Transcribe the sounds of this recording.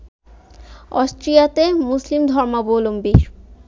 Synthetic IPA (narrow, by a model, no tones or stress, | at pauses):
ɔsʈɾijat̪emuslimd̪ʱɔɾmabolombi